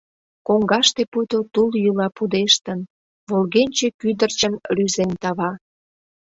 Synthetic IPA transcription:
koŋɡɑʃt̪eput̪ot̪uljulɑpud̪eʃt̪ən | βolɣenʲt͡ɕekyd̪ərt͡ɕənryzent̪ɑβɑ

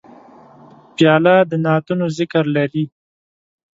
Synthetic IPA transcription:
pjɑlɑd̪ənɑt̪unozɪkəɾlaɾi

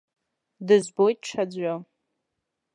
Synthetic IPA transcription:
dɨzbojt̚ʈ͡ʂʰad͡zʷa

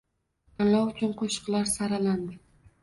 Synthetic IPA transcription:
anlawʊt͡ʃʰʊnqʰoʃɨ̥qlaɾsaɾaland̪ɪ

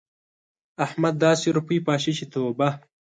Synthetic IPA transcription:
ɐhmɐd̪̚ːaːsiɾupiːpaːɕit͡ɕʰit̪ʰoːbɐ

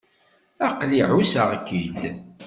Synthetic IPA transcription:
æqliʕusəʁkːid̪

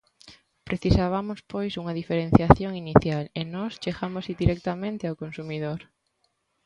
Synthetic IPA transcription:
pɾeθisaβamʊspojsuŋɐðifeɾenθjaθjoŋiniθjalenɔst͡ʃeɣamosid̪iɾɛk̚t̪amẽnt̪ɪawkonsumiðoɾ

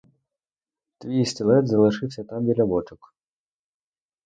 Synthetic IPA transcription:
t̪ʋʲijsʲtʲilˠɛd̪zɐlˠɪʂɪwsʲɐt̪ɑmʋʲilʲɐbɔt͡ʃʊk

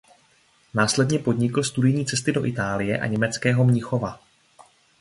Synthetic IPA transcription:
naːslɛdɲɛpo̞dɲɪkl̩st̪udɪjɲiːt͡sɛst̪ɪdo̞ʔɪt̪aːlɪjɛ̰ʔa̰ɲɛmɛt͡skɛːɦo̞mɲɪxo̞va

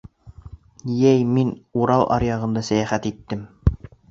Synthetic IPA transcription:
jæjminuɾɑlˠʔɑ̰ɾjɑʁɤ̆nd̪ɑsæjæχæt̪it̪ːɘm

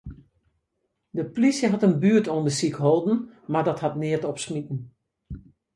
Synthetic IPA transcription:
dəplisjəɦatənbyətondəsikɦolˠdn̩maɹdɔthatnɪətɔpsmitn̩

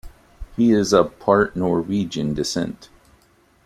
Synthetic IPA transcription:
hiɪzəpʰɑɹʔnɔɹwid͡ʒɨ̃ndɨsɛ̰̃nt

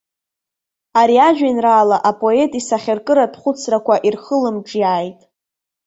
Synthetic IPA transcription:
aɾiad͡ʒᶣanraːlaʔapʼo̞e̞tʼisaχʲɪrkʼɨɾadχʷʊt͡sʰrakʷaʔirχəlɨmʈ͡ʂʼjaːjtʼ

